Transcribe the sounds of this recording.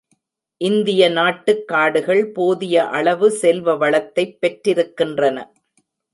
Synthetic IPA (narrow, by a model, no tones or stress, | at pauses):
ʔɪnd̪ɪjɐnaːʈːɯkːaːɽɯɣɐɭpoːðɪjɐʔɐɭɐʋɯsɛlʋɐʋɐɭɐt̪ːɐɪpːɛʈːɾɪɾɯkːɪndrɐnɐ̰